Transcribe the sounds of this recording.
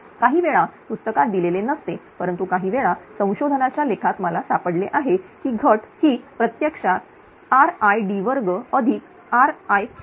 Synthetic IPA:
kaɦiːʋeɭapust̪əkat̪̚d̪ilelenəst̪epəɾənt̪ukaɦiːʋeɭasə̃w̃ɕod̪ʱənat͡ɕjalekʰat̪məlasapəɽleʔaɦekiːɡʱəʈhiːpɾət̪jəkʂa | aɾajɖiʋəɾɡəəd̪ʱiːk | aɾaj

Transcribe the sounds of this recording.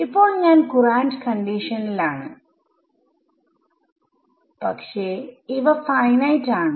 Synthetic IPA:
ipːoːɭɲaːnkuɾaːɳʈkɐɳɖiːʂɐnlaːɳɨ | pɐkʂeːiʋɐfɐjnɐjʈaːɳɨ

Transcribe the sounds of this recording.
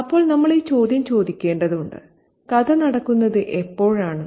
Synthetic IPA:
ɐpːo̞ːɭnɐmːɐɭet͡ɕo̞ːd̪jɐmt͡ɕo̞ːd̪ikʲːe̞ːɳɖɐðuɳɖɨ̰ | kɐðɐnɐɽɐkːunːɐðɨʔepːo̞ːɻaːɳɨ

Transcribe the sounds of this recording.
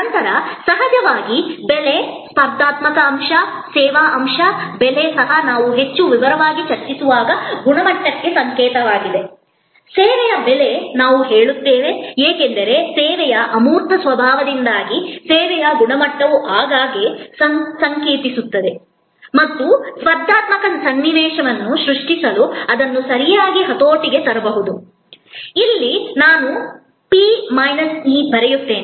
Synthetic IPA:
ɐnt̪ɐɾɐsɐɦɐd͡ʒɐʋaːɡibelespɐɾd̪aːt̪mɐkɐːmʂɐsɛːʋaːʔɐmʂɐbelesɐɦɐnaːʋuɦe̞t͡ʃːuʋiʋɐɾɐʋaːɡit͡ʃɐɾt͡ʃisuʋaːɡɐɡuɳɐmɐʈːɐkːe̞sɐŋkɛːt̪ɐʋaːɡid̪e̞ | seːʋɛjɐbelenaːʋuɦe̞ːɭut̪ːeːʋeeːkend̪ɐɾe̞seːʋɛjɐʔɐmuːɾt̪ʰɐsʋɐbʱaːʋɐd̪ind̪aːɡiseːʋɛjɐɡuɳɐmɐʈːɐʋuʔaːɡaːɡessɐŋkeːt̪isut̪ːɐd̪e̞ | mɐt̪ːusʋɐɾd̪ʱːaːt̪mɐkɐnsɐnːiʋɛːʃɐʋɐnːuʃɾuʂʈisɐluɐd̪ɐnːusɐɾijaːɡiɦɐt̪oːʈiɡe̞t̪ɐɾɐbɐɦud̪u | ilːinaːnu | piːmɐjnɐsnibʱɐɾejut̪ːe̞ːni

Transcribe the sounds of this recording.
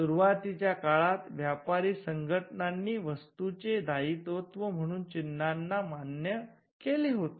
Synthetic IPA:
suɾuʋat̪it͡ɕjakaɭat̪ʋjapaɾiːsəŋɡʱəʈɳanːiːʋəst̪ut͡ɕed̪ʱaiːt̪ot̪ʋəm̤əɽ̃uːnt͡ɕinːanːamanjə | keliɦot̪e

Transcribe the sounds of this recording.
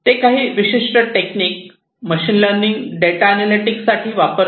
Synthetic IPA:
t̪ekaɦiːʋiɕiʂʈəʈekniːk̚ | məɕiːnləɾniŋɡɖeʈaːnaliʈikssaʈʰiːʋapəɾ

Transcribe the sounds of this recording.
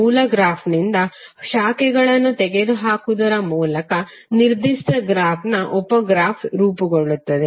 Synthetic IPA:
uːlɐɡɾaːpʰnind̪ɐʃaːkɛɡɐɭɐnːut̪eɡed̪uɦaːkud̪ɐɾɐmuːlɐkɐ | niɾd̪isʈ̪ɐɡɾaːpʰnɐʔɔpɐɡɾaːpʰɾuːpuɡoɭut̪ːɐd̪e

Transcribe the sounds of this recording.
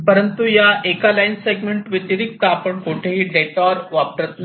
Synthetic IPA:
pəɾənt̪ujaʔekalajnseɡmeɳʈʋit̪iɾik̚t̪aːpəɳkoʈʰeɦiːɖeʈɔɾʋap̚ʈət̪n

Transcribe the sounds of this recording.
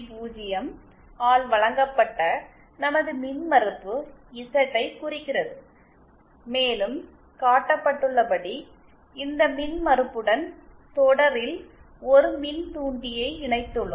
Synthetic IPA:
puːd͡ʒɪjɐm | aːɭʋɐɭɐŋɡɐpːɐʈːɐ | nɐmɐðɯmɪnmɐɾɯpːɯɪsɐʈːɐɪkːʊrɪkːɪrɐðɯ | meːlɯm | kaːʈːɐpːɐʈːɯɭːɐpɐɽi | ɪnd̪ɐmɪnmɐɾɯpːɯɽɐn | t̪ɔɽɐɾɪl | ɔɾɯmɪnt̪uːɳɖɪjɐɪɪɳɐɪt̪ːɯɭːɯm

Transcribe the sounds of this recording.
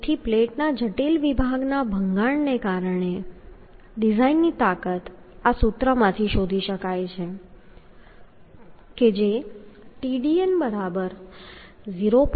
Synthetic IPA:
ʈʰipleʈnad͡ʒəʈilʋibʱaɡnabʱəŋɡaɳnekaɾəɳe | ɖizainːit̪akət̪ | asut̪ɾəmãt̪ʰiʃod̪ʱiʃəkajt͡ʃʰe | ked͡ʒeʈiɖienbəɾabəɾ | ziɾop

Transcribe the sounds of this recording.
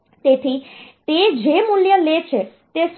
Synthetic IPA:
t̪et̪ʰit̪ed͡ʒemuljəlet͡ʃʰet̪es

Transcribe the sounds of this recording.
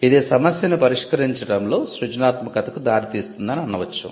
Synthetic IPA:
id̪eːsɐmɐsjɐnupɐɾiʂkɐɾiɲt͡ʃɐɽɐmlo̞ːsɾud͡ʒɐnaːt̪mɐkɐt̪ɐkud̪aːɾit̪iːst̪und̪ɐniɐnːɐʋɐt͡ʃːɐ̰

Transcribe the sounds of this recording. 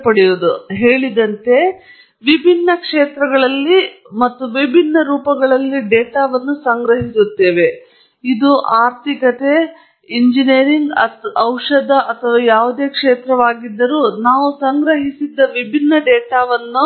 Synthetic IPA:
pɐɽijod̪uɦeːɭid̪ɐnt̪e̞ | ʋibʱinːɐkʂeːt̪ɾɐɡɐɭɐlːi | mɐt̪ːuʋibʱinːɐɾuːpɐɡɐɭɐlːiɖeːʈaːʋɐnːusɐŋɡɾɐɦisut̪ːe̞ːʋe̞ | id̪uʔaːɾt̪ʰikɐt̪e̞ | iɲd͡ʒineːɾiŋɡɐɐwʂɐd̪ɐʔɐt̪ʰɐʋaːjaːʋud̪e̞ːkʂeːt̪ɾɐʋaːɡid̪ːɐɾuːnaːʋusɐŋɡɾɐɦisid̪ːɐʋibʱinːɐɖeːʈaːʋɐnːu

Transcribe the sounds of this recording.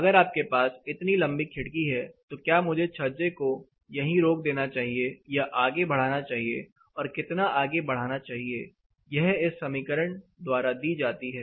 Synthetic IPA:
ɐɡəɾaːp̚kepaːsɪt̪nilɐ̃mbikʰɪɽkiɦɛt̪okjaːmʊd͡ʒʱet͡ʃʰɐɾd͡ʒeko | jɐɦĩɾoːk̚d̪eːnat͡ʃaːɦiejaʔaːɡebɐɽ̤aːnat͡ʃaːɦie | ɔːɾkɪt̪naʔaːɡebɐɽ̤aːnat͡ʃaːɦieː | jɛɦɪsːɐmiːkəɾəɳd̪waːɾad̪iːd͡ʒaːt̪iɦɛː

